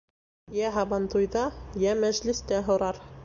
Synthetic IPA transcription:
jæɦɑbɑnt̪ujðɑjæmæʒlɘ̆st̪æɦŏɾɑɾ

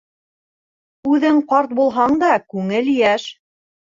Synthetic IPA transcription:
ʉðɘŋqɑɾt̪̚bulˠɦɑɴd̪ɑkʉŋɘljæʃ

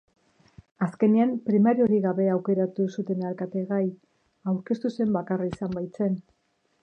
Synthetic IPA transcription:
aske̞neampɾimaɾio̞ɾiɣaβe̞awke̞ɾat̪usut̪e̞nalkat̪e̞ɣaj | awɾke̞st̪use̞mbakaraisambajt͡se̞n

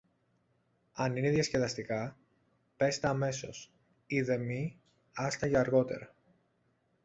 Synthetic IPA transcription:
ɐnineðjɐsce̞lɐst̪ikɐ | pe̞st̪eɐme̞so̞̰s | iðe̞mi | ɐst̪ɐʝɐːɾɣo̞t̪e̞̰ɾɐ

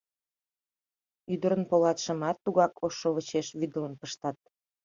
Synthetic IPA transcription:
yd̪əɾənpolɑt̪ʃə̆mɑt̪ːuɣɑkoʃːoβət͡ɕeʃβyd̪ələnpəʃt̪ɑt̪̚

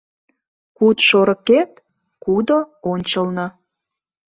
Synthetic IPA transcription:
kut̪ʃoɾə̆ket̪̚ | kud̪oonʲt͡ɕəlnɤ

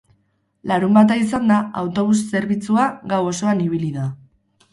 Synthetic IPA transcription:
laɾumbat̪̬aisand̪aawt̪o̞β̞usːe̞ɾβit͡suaɡawo̞so̞aniβiliða

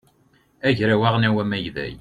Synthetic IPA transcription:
æʝɾæwaʁnæwæmæjðæ̰j

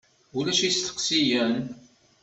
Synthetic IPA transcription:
ulæʃist̪ə̥qsijən

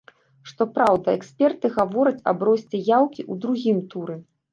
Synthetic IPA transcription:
ʂt̪ɔpɾawd̪ɐɛksʲpʲɛrt̪ɨɣavɔɾɐt͡sʲɐ̰bɾɔsʲt͡sʲɛjawkʲiʔud̪ɾuɣʲimt̪uɾɛ

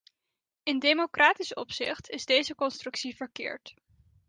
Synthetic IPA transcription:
ɪndejmokraːtisɔpsɪ̰χtʰɪzdejzəkɔnstrɵksivəɹkɪ̰ːɹt

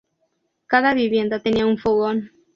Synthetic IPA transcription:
kaðaβiβje̞nd̪at̪eniauɱfoɣon

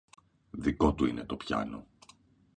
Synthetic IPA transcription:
ðiko̞t̪uinʔet̪o̞pçɐ̰no̞

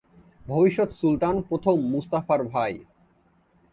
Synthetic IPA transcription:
bʱobiʃːot̪sult̪anpɾot̪ʰomːust̪afaɾbʱaj

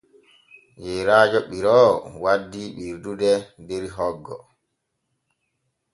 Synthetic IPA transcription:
jɛɾaːd͡ʒɔɓiɾɔːwadːiɓiɾdudɛdeɾiɦɔɡːɔ̰

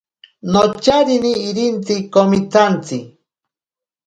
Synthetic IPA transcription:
not͡ʃaɾiniːɾint͡sikomit̪ʰant͡si

